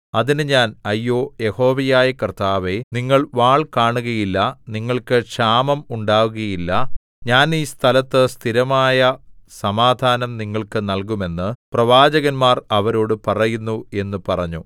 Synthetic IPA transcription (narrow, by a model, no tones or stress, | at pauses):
ɐðinɨɲaːnɐjːoːjeho̞ːʋɐjaːjɐkɐrt̪aːʋe̞niŋːɐɭʋaːɭkaːɳuɣɐjilːɐniŋːɐɭkɨʂaːmɐmuɳɖaːʋuɣɐjilːɐ | ɲaːniːst̪ʰɐlɐt̪ːɨst̪ʰiɾɐmaːjɐsɐmaːd̪ʱaːnɐmniŋːɐɭkɨnɐlkume̞nːɨprɐʋaːd͡ʑɐɣɐnmaːrɐʋɐɾo̞ːɽɨpɐrɐjunːue̞nːupɐrɐɲːu